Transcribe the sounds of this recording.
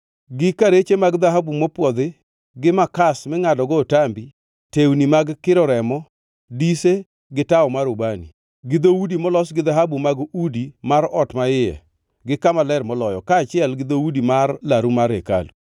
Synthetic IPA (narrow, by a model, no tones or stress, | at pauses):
ɡɪkaɾet͡ʃemaɡd̪aɦabumɔpwɔd̪ɪ | ɡɪmakasmɛŋadɔɡɔtambi | tewnimaɡkɪɾɔɾɛmɔ | dise | ɡɪtaɔmaɾobanḭ | ɡɪd̪owudimɔlɔsɡɪðaɦabumaɡudimaɾɔtmaɪjɛ̰ | ɡɪkamalɛrmɔlɔjɔkaːt͡ʃɪɛlɡɪd̪owudimarlaɾumaɾeka̰lu